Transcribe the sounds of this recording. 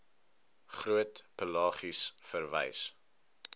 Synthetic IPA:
χruətpəlɑːχisfərvɛ̰js

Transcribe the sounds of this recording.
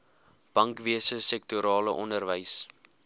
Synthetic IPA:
b̥ɐŋkviəsəsɛk̚tuɾɑːləʔɔndərvəjs

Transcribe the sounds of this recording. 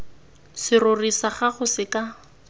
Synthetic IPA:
sɪrʊrisaχaχʊsɪka

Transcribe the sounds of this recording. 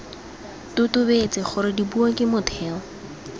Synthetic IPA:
tʊtʼʊbet͡sʼɪχʊɾɪdibuakɪmʊtʰɛːŋɔ

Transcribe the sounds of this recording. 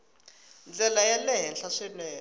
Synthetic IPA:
nd͡ɮɛlajɛlɛɦɛnɬaʂɛnɛː

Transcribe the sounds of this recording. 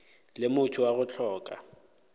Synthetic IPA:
lɪmʊtʰʊwaɣʊt͡ɬʰɔːkʼa̰

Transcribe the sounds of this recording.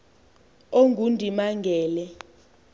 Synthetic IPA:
oŋɡʱundʱimaŋɡʱɛːlɛ

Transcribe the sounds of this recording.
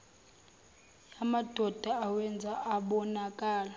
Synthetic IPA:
jamad̥ʱɔd̥ʱaawɛnd͡zʱaʔaɓɔnakʼaːla

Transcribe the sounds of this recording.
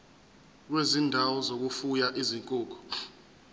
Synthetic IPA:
k̬wezindʱawɔzok̬ufujaʔiziŋkʼuːk̬ɔ̥

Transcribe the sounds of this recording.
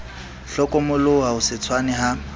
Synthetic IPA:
ɬɔkʼɔmʊlʊɦaʊsɪt͡sʰwanɛɦa

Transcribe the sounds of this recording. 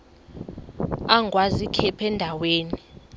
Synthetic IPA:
aŋɡʱwazikʰɛpʰɛndʱaweːni

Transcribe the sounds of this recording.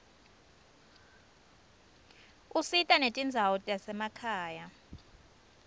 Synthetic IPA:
usitʼanetʼind͡zʱawɔtʼjasɛmakʰaːja

